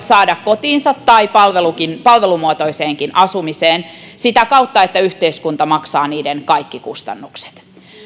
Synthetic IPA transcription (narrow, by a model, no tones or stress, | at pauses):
t̪sɑːdɑkkot̪iːnsɑt̪ːɑipɑlʋelukinpɑlʋelumuot̪oiseːŋkinʔɑsumiseːnsit̪ækɑut̪ːɑet̪ːæyht̪eiskunt̪ɑmɑksɑːniːdenkɑikːikust̪ɑ̰nːukse̥t̪